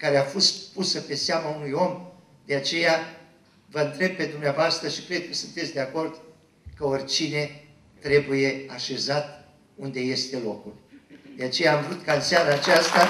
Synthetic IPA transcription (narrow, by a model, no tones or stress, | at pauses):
kaɾe̞afo̞st̪pusəpe̞seamaunujo̞m | d̪̥e̞at͡ʃe̞ja | vəɨnt̪ɾe̞b̚pe̞d̪umneavoast̪ɾəʃikɾe̞d̪̚kəsunt̪etsʲd̪e̞ako̞rd̪ | kəo̞rʲt͡ʃine̞ | t̪ɾe̞buje̞aʃe̞zat̪ | und̪e̞je̞st̪e̞lo̞kuld̪e̞at͡ʃe̞jaːmvɾut̪kaɨnsaɾaːt͡ʃast̪a